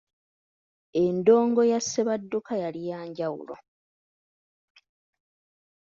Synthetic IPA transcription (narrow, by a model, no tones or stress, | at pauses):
e̞ndo̞ːŋɡo̞jasːeβadːukʰajalijaːɲɟawṵlo̞̰